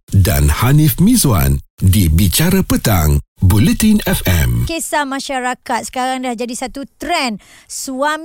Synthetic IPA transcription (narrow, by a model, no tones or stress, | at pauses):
da̰nhanifmĩzwa̰ndibit͡ʃaɾəpət̪aŋbulɛt̪inɛfɛ̰mkesamãʃaɾakat̪̚sə̥kaɾaŋdahd͡ʒadisat̪ut̪ɾɛn | suam